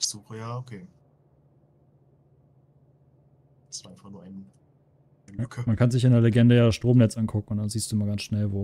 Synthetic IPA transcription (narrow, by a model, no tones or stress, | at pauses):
ɪçz̥uːxəjaːokʰeː | sʔaɪnfaχnuːɐʔaɪn | kʰmankʰanzɪçɪndeɐleɡɛndəjaːdasʃtʁ̥oːmnɛt͡sʔankʰʊkŋ̩ʊntdanziːstd̥uːɪmaɡansʃnɛlvoː